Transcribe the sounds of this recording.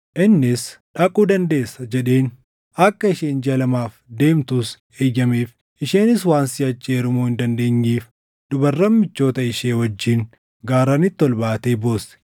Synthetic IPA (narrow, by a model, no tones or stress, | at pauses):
ʔɪnːɪsᶑɐkʼuːd̪ɐnd̪e̞ːsːɐd͡ʒɛᶑe̞ːn | ɐkːɐɪʃeːnd͡ʒɐlɐmaːfd̪e̞ːmt̪ʊs | eːjɐmeːf | ʔɪʃeːnɪswaːnsɪɐt͡ʃːeːɾʊmoːɪnd̪ɐnd̪e̞ːɲːiːf | d̪ʊbɐrːɐmːɪt͡ʃːo̞ːt̪ɐɪʃeːwɐd͡ʒːɪn | ɡaːɾɐnɪt̪ːɔlbaːt̪e̞ːboːsɛ̥